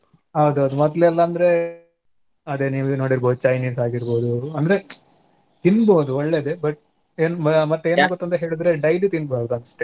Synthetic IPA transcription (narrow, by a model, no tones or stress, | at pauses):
ɦawd̪uɐd̪umɔd̪leɛlːɐɐnd̪ɐɾe̞ | ɐd̪eniːʋuno̞ːɽiɾboːd̪ut͡ʃɐjniːsaːɡiɾbo̞ːd̪uɐnd̪ɐɾe̞ | t̪inːboːd̪uɔɭːe̞ːd̪ebɐʈ̚ | eːnumɐt̪ːeːnaːɡut̪ːɐnt̪ɐɦe̞ːɭid̪ɾe̞ɖɐjlit̪inːbaːɡd̪uɐnd̪ɐʂʈe